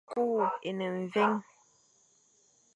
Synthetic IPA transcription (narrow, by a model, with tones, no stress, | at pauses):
ku˦˨e˨nə˨ɱ˨ve˦ŋ